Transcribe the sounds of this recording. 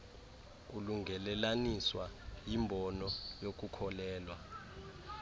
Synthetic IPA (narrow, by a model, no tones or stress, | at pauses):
uluŋɡʱɛlɛlaniswajimbʱɔnɔjok̬ukʰɔlɛːlwa